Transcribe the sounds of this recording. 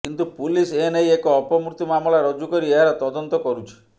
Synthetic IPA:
kint̪upulisenejekɔːpɔmuɾt̪imamɔlaɾɔd͡ʒukɔɾieɦaɾɔt̪ɔd̪ɔnt̪ɔkɔɾut͡ʃʰi̥

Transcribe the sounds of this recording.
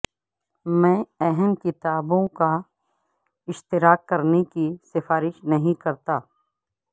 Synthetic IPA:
mɛ̃ːɛɦɛmkɪt̪aːbõka | ɪʃt̪ɪɾaːkːɐɾnekisɪfaːɾɪʃnɐɦĩkɐɾt̪aː

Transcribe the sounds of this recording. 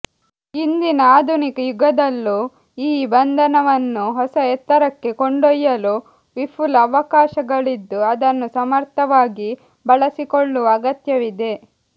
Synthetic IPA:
ind̪inɐaːd̪ʱunikɐjuɡɐd̪ɐlːu | iːbɐnd̪ʱɐnɐʋɐnːuɦɔsɐɛt̪ːɐɾɐkːe̞koɳɖɔjːɐlu | ʋipʰulɐʋɐkaːʃɐɡɐɭid̪ːuɐd̪ɐnːusɐmɐɾt̪ʰɐʋaːɡi | bɐɭɐsikoɭːuɐɡɐt̪jɐʋid̪e̞

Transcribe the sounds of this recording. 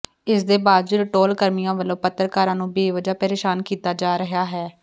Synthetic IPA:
ɪsd̪eːbaːd̪̚d͡ʒɾʈoːlkəɾmijãːʋəlːõːpət̪ːəɾkaːɾãːnũːbeːʋəd͡ʒaːpəɾeːʃaːnkiːt̪aːd͡ʒaːɾəɦaːɦɛː

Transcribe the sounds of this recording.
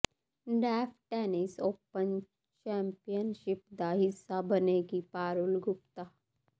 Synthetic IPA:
ɖɛːfʰʈɛːnisoːpən | t͡ʃɛ̃ːmpijənʃɪpd̪aɦɪsːabəneɡipaːɾulɡʱʊp̚t̪a

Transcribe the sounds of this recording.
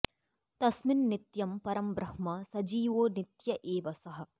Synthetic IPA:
t̪ɐsmɪnːɪt̪jɐmpɐɾɐmbɾɐhmɐsɐd͡ʒiːʋoːnɪt̪jɐʔeːʋɐsɐɦɐ̆

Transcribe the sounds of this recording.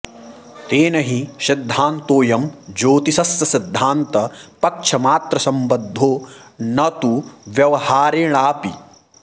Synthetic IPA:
t̪eːnɐɦiʃid̪ʱːaːnt̪oːjɐmd͡ʒoːt̪isɐsːɐsid̪ʱːaːnt̪ɐpɐkʂʰɐmaːt̪ɾɐsɐmbɐd̪ʱːoːnɐt̪uʋjɐʋɐhaːɾeːɳaːpḭ

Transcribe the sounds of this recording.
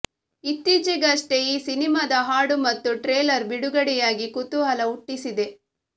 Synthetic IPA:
it̪ːid͡ʒiɡɐʂʈeiːsinimaːd̪ɐɦaːɽumɐt̪ːuʈɾeːlɐɾbiɽuɡɐɽɛjaːɡikut̪ːuɦɐlɐuʈːisid̪e̞

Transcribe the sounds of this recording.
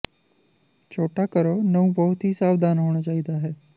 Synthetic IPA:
t͡ʃʰoːʈaːkəɾoːnəũːbɔʊt̪ɦiːsaːʋd̪ʱaːnɦoːɽ̃aːt͡ʃaːid̪aːɦɛː

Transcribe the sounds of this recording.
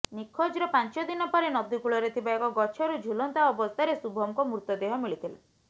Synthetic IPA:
nikʰːod͡ʒɾɔpant͡ʃɔd̪inɔpɔɾenɔd̪ikuɭɔɾet̪ʰibaekɔɡɔt͡ʃʰɔɾud͡ʒʱulɔnt̪aɔbɔst̪ʰaɾesubʱɔmkɔmɾut̪ɔd̪eɦɔmiɭit̪ʰila̰

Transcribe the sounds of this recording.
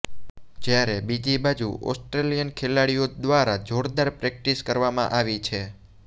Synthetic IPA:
d͡ʒjaɾebid͡ʒibad͡ʒuʔɔ̰sʈɾelijənkʰelaɽijod̪ʋaɾad͡ʒoɽd̪aɾpɾɛk̚ʈiskəɾʋamã̰ʔaʋit͡ʃʰe

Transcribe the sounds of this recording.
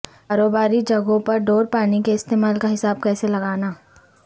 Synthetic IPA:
kaːɾoːbaːɾid͡ʒɐɡõpɐɾɖoːɾpaːnikeɪst̪eːmaːlkaɦɪsaːb̚kɛːselɐɡaːnaː

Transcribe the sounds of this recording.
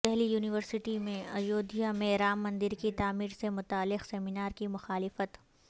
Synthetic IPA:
ɛɦlijuːnɪʋəɾsɪʈimẽɐjoːd̪ijamẽɾaːmːɐ̃nd̪ɪɾkit̪aːmiːɾsemʊt̪aːlːɪqsɛːmɪnaːɾkimʊxaːlɪfət̪

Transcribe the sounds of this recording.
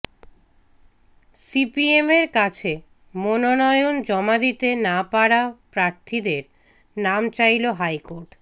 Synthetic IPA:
sipiemeɾkat͡ɕʰe | mononɔjond͡ʑɔmad̪it̪enapaɽapɾaɾt̪ʰid̪eɾ | namt͡ɕajloɦajkoɾʈ

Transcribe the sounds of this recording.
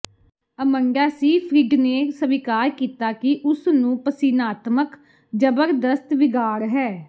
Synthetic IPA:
əməɳɖaːsiːpʰɾɪɖneːsəʋɪkaːɾkiːt̪aːkɪʔʊsnũːpəsiːnaːt̪mək | d͡ʒəbəɾd̪əst̪ʋɪɡaːɾɦɛː

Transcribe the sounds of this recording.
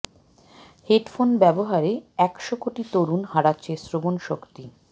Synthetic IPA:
heʈfonbɛboɦaɾeɛkʃokoʈit̪oɾunhaɽatːɕʰesɾobonʃokt̪i

